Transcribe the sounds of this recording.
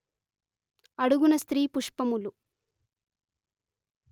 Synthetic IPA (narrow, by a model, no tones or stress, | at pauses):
ɐɽuɡunɐst̪ɾiːpuʂpɐmulu